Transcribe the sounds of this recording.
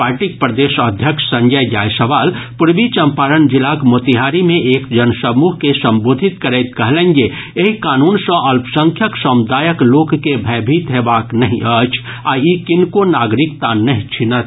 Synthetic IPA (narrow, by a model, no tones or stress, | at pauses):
paːɾʈik̚pɾəd̪eːʃəd̪ʱjəkʃsɐ̃ŋɡəjd͡ʒaːjsɐʋaːlpʊɾbit͡ʃɐmpaːɾənd͡ʒɪlaːkmoːt̪iɦaːɾimẽʔeːkd͡ʒɐnsəmuːɦkesɐ̃mboːd̪ʱɪt̪̚kəɾɛt̪̚kɐɦlẽŋɡe | eɦikaːnuːnsə̃ʔɐlpsə̃ŋkʰjəksəmd̪aːjəkloːkkebʱɛːbʱit̪ɦeːbaːknɐɦĩʔət͡ʃʰ | aːikɪnkonaːɡɾɪkt̪anɐɦĩt͡ʃʰinət̪